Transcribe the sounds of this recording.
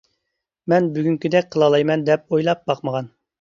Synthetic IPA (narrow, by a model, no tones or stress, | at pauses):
mɛnbyɡʲyŋkʲyd̪ɛk̚ʲqʰəlˠɑlˠɑjmɛnd̪ɛp̚ojlˠɑp̚bɑqməʁɑn